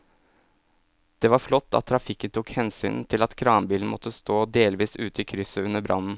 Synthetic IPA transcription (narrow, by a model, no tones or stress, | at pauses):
d̪̥ɛʋɑɾflɔt̪ʰːɑ̰t̪ʰːɾɑfɪkːənt̪ʰuːkhɛnsy̰ːnt̪ʰɪlɑt̪kʰɾɑːnbiːln̩mɔt̪ːəst̪oːd̪eːlʋiːsʉːt̪əiːkʰɾʏsəʉnːəbɾʔɑ̰nn̩